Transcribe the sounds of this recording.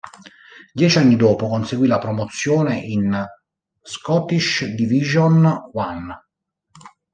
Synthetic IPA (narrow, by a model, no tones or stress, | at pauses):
d̪jɛːt͡ʃanːid̪ɔːpokonseɡwilapɾomot̪sːjoːneʔin | skɔt̪iʃd̪iviʒonwan